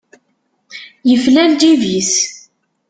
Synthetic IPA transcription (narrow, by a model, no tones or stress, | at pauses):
jəflæld̪ivis